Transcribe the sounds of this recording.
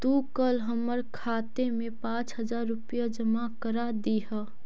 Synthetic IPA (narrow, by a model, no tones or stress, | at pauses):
t̪ukəlɦəməɾkʰaːt̪emẽpãːt͡ʃɦəd͡ʒaːɾːʊpijad͡ʒəmakəɾad̪iɦə